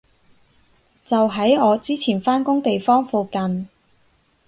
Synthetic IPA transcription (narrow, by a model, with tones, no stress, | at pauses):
t͡sɐ˨wɦɐ˨˥jɔː˨˧t͡siː˥t͡sʰiː˨˩nfaː˥nkʊ˥ŋt̪e˨jfɔː˥ŋfuː˨˧kɐ˨n